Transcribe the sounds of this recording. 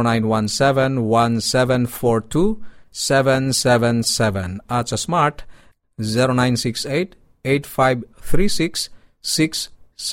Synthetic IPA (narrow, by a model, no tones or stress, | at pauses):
nãj̃nwãnsɛvɛ̃nwãnsɛvɛ̃nfɔɹtʰusɛvɛ̃nsɛvɛ̃nsɛvɛ̃nat͡ʃasmaɾt | ziɾonãj̃nsikset | etfajvθʰɾisiksː | iksː